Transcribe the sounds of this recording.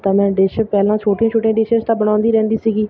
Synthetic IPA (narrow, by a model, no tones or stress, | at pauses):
t̪ãːmɛ̃ːɖɪʃpɛːlãːt͡ʃʰoːʈjãːt͡ʃʰʊːʈjãːɖɪʃest̪ãːbəɽ̃ãːnd̪iːɾɛ̃ːnd̪iːsiːɡiː